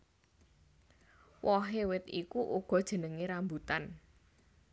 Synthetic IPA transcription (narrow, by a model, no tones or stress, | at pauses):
wɔɦewɪt̪ikuʔuɡ̥ɔ̤d̥ʒ̥ə̤nəŋeɾambut̪an